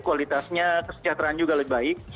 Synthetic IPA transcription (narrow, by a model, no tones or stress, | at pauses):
kuwalit̪asɲakəsə̥t͡ʃat̪ɾaːnd͡ʒuɡaləbai